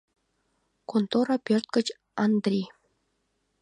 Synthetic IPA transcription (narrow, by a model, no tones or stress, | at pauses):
kont̪oɾɑpʲørt̪̚kə̆t͡ɕ | ɑnd̪rʲi